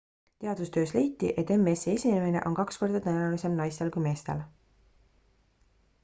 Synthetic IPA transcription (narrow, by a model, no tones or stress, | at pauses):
t̪e̞ɑd̪̥ust̪ø̞ːsle̞jt̪ːˑiʔe̞t̪ːe̞me̞seesʲinemene̞̰ʔo̞̰nkɑksko̞rd̪̥ɑt̪ænɑlise̞mnɑjst̪e̞lkujme̞ːst̪e̞̰l